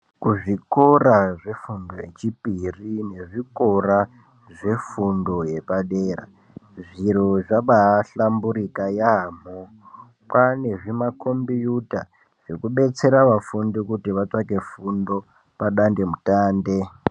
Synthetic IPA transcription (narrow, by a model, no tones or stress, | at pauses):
kuʐikoraʐefundo̞je̞t͡ʃipirine̞ʐiko̞ra | ʐe̞fundo̞je̞paɗeɾa̰ | ʐiroʐaɓaɬambuɾikajaːmo | pane̞ʐimakʰo̞mbijuta̰ | ʐ̥ekuɓe̞t͡se̞ɾaʋafundikutiʋat͡sake̞fundo̞ | paɗande̞mutaːnde